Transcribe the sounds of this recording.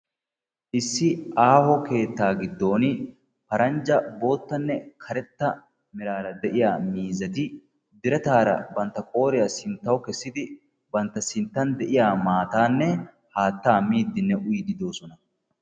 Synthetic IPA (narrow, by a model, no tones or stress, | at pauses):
ʔɪsːɪʔaːhɔke̞ːt̪ːaːɡɪd̪ːo̞ːn | pɐɾɐnd͡ʒɐbo̞ːt̪ːɐnːɛkʰɐɾɛt̪ːɐ | mɪɾaːɾɐd̪ɛʔɪjaːmiːzɐt̪ɪ | d̪ɪɾɛt̪aːɾɐ̰bɐnt̪ːɐkʼo̞ːɾɪjɐsɪnt̪ːɐwkɛsːɪd̪ɪ | bɐnt̪ːɐsɪnt̪ːɐnd̪ɛʔɪjaːmaːt̪aːnːɛ | haːt̪ːaːmiːd̪ːɪnːɛʔʊjd̪ɪd̪o̞ːsɔnɐ